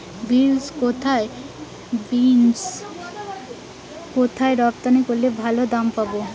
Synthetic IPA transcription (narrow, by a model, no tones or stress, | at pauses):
bilskot̪ʰae | bins | kot̪ʰaeɾɔpt̪anekoɾlebʱalod̪ampabo